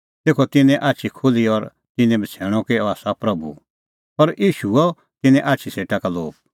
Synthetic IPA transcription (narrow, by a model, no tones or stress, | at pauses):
t̪eːkʰɔt̪ɪnɛ̃ʔaːt͡ʃʰikʰʊliɔɾ | t̪ɪnɛ̃bʱɐt͡sʰɛːɽ̃ɔkeɔaːsapɾɐbṵ | pɐɾjiːʃuɔ | t̪ɪnɛ̃ʔaːt͡ʃʰiseːʈakalo̰ːb̚